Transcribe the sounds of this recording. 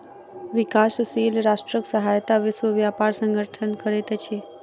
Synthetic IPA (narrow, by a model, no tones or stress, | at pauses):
ʋɪkassilɾaʃʈɾəksəɦajt̪aʋɪʃwəʋjapaɾsə̃ŋɡʱəɾʈʰənkəɾet̪at͡ʃʰe